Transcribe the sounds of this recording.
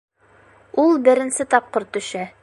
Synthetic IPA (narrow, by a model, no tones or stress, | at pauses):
ulˠbɘ̆ɾɘ̆nsɘt̪ɒp̚qɤ̆ɾt̪ːɵ̆ʃæ